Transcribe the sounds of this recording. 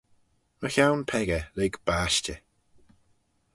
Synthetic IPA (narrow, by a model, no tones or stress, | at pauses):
məçawnpʰɛɡəleɡb̥aːʃt͡ʃə